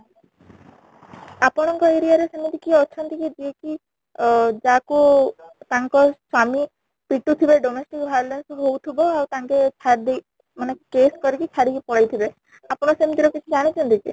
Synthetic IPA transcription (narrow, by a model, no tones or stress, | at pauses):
apɔɽ̃ɔŋkɔeɾiaɾesemit̪ikiɔt͡ʃʰɔnt̪ikid͡ʒieki | d͡ʒakut̪aŋkɔswami | piʈut̪ʰibeɖɔmesʈikbʱajɔlensɦowt̪ʰibɔawt̪aŋket͡ʃʰaɾd̪i | manekeskɔɾikit͡ʃʰaɾikipɔɽajt̪ʰibe | apɔɽ̃ɔsemit̪iɾɔkit͡ʃʰid͡ʒaɽ̃it͡ʃʰɔnt̪ikḭ